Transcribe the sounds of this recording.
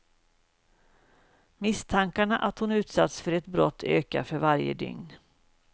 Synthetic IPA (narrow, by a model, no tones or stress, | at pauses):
mɪst̪ʰaŋkaɳaʔat̪hʊnʉ̟ːt̪sat̪sfœɾɛt̪bɾɔt̪ʰːøːka̰fœɾvaɾjə̰d̪ʏ̰ŋn